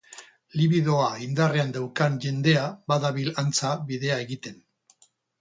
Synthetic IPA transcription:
liβiðo̞aind̪are̞and̪awkanʝe̞nd̪e̞abaðaβilant͡saβiðe̞ae̞ɣit̪e̞n

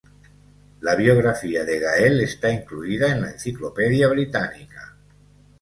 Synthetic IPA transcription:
laβ̞jo̞ɣ̞ɾafiaðe̞ɣ̞aelest̪aiŋkluiðaenlaen̟θiklopeðjaβ̞ɾit̪anika

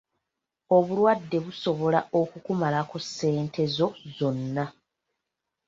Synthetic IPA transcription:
o̞βulwadːe̞βuso̞βo̞laʔo̞kukumalakusːe̞ːntʰe̞zo̞zo̞nːa

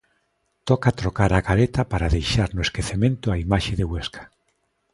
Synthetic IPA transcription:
t̪ɔkat̪ɾokaɾaɣaɾet̪apaɾaðejʃaɾnʊeskeθemẽnt̪ʊaimaʃeðeɣweskʰḁ

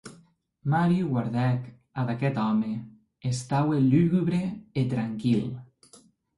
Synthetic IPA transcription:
maɾjuɣwaɾðɛk | ad̪akɛt̪ɔme | est̪awelyɣyβɾeet̪ɾaŋkil

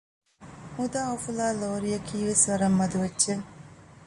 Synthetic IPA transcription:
ud̪aːofulaːloːɾijɐkʰiːʋesʋɐɾɐmːɐd̪uʋɐdːʒe

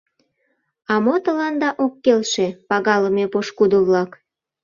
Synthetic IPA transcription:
ɑmot̪əlɑnd̪ɑʔokːelʃepɑɣɑləmepoʃkud̪oβlɑk

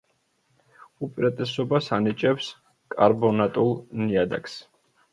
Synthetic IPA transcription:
upʼiɾat̪ʼɛsɔbasanit͡ʃʼɛps | kʼaɾbɔnat̪ʼulˠniad̪a̰ks

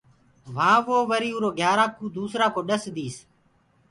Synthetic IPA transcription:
ʋãːʋoːʋəɾiːuːɾoːɡʱjaːɾaːkuːd̪uːsɾãːkoːɗəsd̪iːs

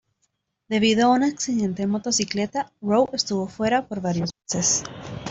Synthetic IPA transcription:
d̪̥e̞β̞iðoaunaksiðe̞nt̪emo̞t̪o̞sikle̞t̪arowest̪uβo̞fwe̞ɾapoɾβaɾjo̞zβese̞s

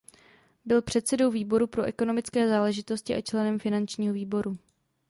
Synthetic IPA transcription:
bɪlpr̝̥ɛt̪̚sɛdo̞wviːbo̞ɾupɾo̞ʔɛko̞no̞mɪt͡skɛːzaːlɛʒɪt̪o̞scɪʔat͡ʃlɛnɛmfɪnant͡ʃɲiːɦo̞viːbo̞ɾu

